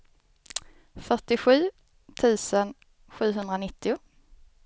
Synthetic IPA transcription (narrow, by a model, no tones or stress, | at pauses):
fœʈɪɧʉ̟ː | t̪ʰʉ̟ːsən | ɧʉ̟ːɦɵnd̪ɾanɪt̪ʰːɪʊ